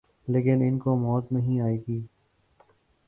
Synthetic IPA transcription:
leːkɪnɪnkomɔːt̪nɐɦĩaːeːɡiː

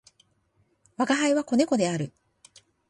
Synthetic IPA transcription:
βaɡaɦaiβako̞ne̞ko̞d̪e̞aɾɯ̟

